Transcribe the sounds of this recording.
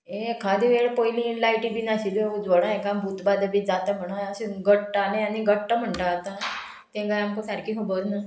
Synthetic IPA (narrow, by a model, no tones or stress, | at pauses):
eekʰad̪eʋeɭpojlilajʈibiːnaɕiled͡zʋəɽãekãbʱut̪bad̪əbiːd͡zat̪am̤əɽ̃aɕeɡəʈʈalẽañiɡəʈʈəm̤əɳʈaːt̪a | t̪ẽɡajamkosaɾkiɦobəɾna